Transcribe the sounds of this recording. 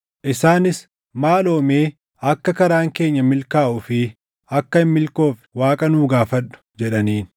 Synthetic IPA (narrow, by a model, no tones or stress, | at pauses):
ʔɪsaːnɪs | maːlo̞ːme̞ː | ɐkːɐkɐɾaːŋke̞ːɲːɐmɪlkaːʔʊfɪ | ɐkːɐɪmːɪlko̞ːfwaːkʼɐnuːɡaːfɐᶑʊ̥d͡ʒɛᶑɐniːn